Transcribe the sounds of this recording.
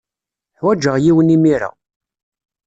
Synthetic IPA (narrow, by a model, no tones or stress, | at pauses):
ħwæd͡ʒːəʁjiwənimiɾa̰